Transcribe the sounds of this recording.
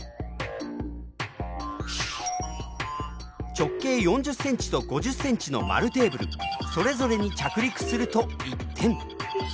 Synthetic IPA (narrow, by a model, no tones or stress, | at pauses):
t͡ɕo̞kːe̞ːjõ̞ɲ̟d͡ʑɨsːẽ̞ɲ̟t͡ɕi̥t̪o̞ɡo̞ʑɨsːẽ̞ɲ̟t͡ɕino̞̰ma̰ɾɯ̟t̪e̞ːbɯ̟ɾɯ̰so̞ɾe̞zo̞ɾe̞ɲ̟it͡ɕakɯ̟ɾʲikɯ̟̥sɨɾɯ̟t̪o̞it̪ʰːẽ̞ŋɴ